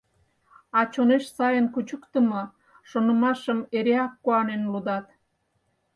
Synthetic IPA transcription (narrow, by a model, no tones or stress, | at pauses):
ɑt͡ɕoneʃsɑjənkut͡ɕəkt̪əmo | ʃonə̆mɑʃəmeɾeɑkːuɑnenlud̪ɑt̪